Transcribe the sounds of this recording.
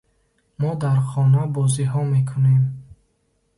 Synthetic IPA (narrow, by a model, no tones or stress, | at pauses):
mɔd̪aɾχɔnabɔziɦɔmekʰunem